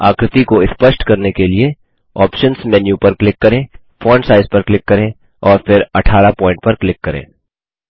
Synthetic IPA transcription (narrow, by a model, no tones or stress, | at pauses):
aːkɾɪt̪ikoɪspəʃʈkɐɾnekelie | ɔːpʃənsmɛːnjũpɐɾklɪkːɐɾẽː | foːnsaːɪzpɐɾklɪkːɐɾẽː | ɔːɾfɪɾɐʈʰaːɾapɔ̃ːɪ̃ɳʈ̚pɐɾklɪkːɐɾḛ̃ː